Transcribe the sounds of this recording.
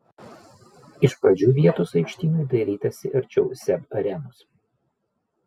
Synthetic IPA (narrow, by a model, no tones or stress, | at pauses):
ɪʃpɾɐd͡ʒʲuːʋʲiɛt̪ʊsɐɪkʃʲt̪ʲiːnʊɪd̪ɐɪɾʲiːt̪ɐsʲɪʔɐɾʲt͡ʃʲɛʊsʲɛbɐɾʲɛnʊs